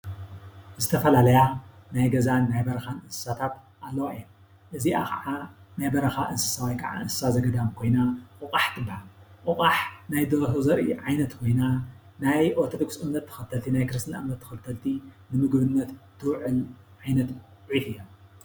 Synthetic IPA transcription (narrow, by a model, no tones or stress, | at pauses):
zɨt̪ʰɐfɐlalɐjanajɡɐzanːajbɐɾɐxanɨnsɨ̥sat̪ʰat̪ | ʔalːɐwaɨjːom | ʔɨziʔa̰kɐ̰ʕanajbɐɾɐxaʔɨnsɨ̥sawajkʰɐʕa̰ɨnsɨ̥sazɐɡɐd̪amkʰo̞jnaʔɨqʼaħt̪ʰɨbːahalʔɨχʼaħnajd̪ɐɾhozɐɾʔḭʕajnɐt̪kʰo̞jna | najʔoɾt̪ʰod̪oɡsɨmnɐt̪ʰːɨ̥xɐlt̪ʰɐlt̪ʰinajkɨɾɨst̪ʰɨna̰mnɐt̪ʰːɨ̥xɐlt̪ʰɐlt̪ʰinɨmɨɡbɨnːɐt̪t̪ʰɨwʕɨlʕajnɐt̪ʕiħɨjːom